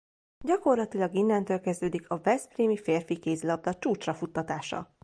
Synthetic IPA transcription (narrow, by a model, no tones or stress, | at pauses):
ɟɒko̞rlɒt̪ilɒɡinːɛnt̪øːlkɛzd̪øːd̪ikʰɒvɛspriːmifeːrfikeːzlɒb̚d̪ɒt͡ʃuːt͡ʃrɒfut̪ːɒt̪aːʃɒ̰